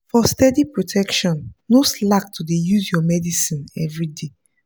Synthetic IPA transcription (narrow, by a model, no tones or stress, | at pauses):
fɔstɛdipɹotʰɛkʃɔ̃nːoslak̚tʰudejuzjɔmɛdisĩnɛvɹide